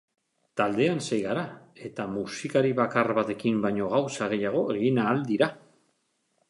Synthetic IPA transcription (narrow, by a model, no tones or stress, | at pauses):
t̪ald̪e̞ansejɣaɾae̞t̪amusikaɾiβakarβat̪e̞kimbajɲo̞ɣ̞awsaɣ̞e̞jaɣ̞o̞eɣinaːld̪iɾa